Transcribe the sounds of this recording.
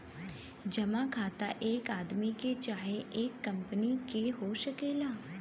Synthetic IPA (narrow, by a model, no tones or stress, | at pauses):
d͡ʒəmãːkʰaːt̪a̰ʔeːkaːd̪miket͡ʃaːɦeʔeːkːəmpənikeɦoːʃəkeːlaː